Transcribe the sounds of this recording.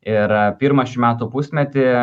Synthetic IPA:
ɪɾpʲiːɾmɐʃʲɪmʲæːt̪uːpusʲmʲɛt̪ʲɪ

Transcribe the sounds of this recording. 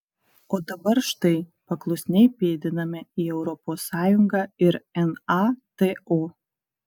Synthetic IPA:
oːd̪ɐbɐɾʃt̪ɐɪpɐklˠʊsʲnʲɛɪpʲeːd̪ʲɪnɐmʲɪiɛʊɾɔpoːsːɑːjʊŋɡɑːɪɾɛnɐt̪eo

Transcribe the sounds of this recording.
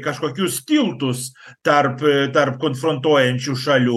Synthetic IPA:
kaʃkakiʊst̪ilˠt̪ust̪aɾpt̪aɾp̚kõnfɾõnt̪oẽnt͡ʃuʃaʎu

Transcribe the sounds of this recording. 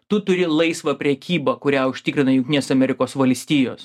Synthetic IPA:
t̪ʊt̪ʊɾʲɪlˠɐɪsʋɐːpʲɾʲɛkʲiːbɐkʊɾʲæːʊʃʲt̪ʲɪkɾʲɪnɐjʊŋkt̪ʲinʲeɛsɐmʲɛɾʲɪkoːsʋɐlʲsʲt̪ʲiːjo̰ːs

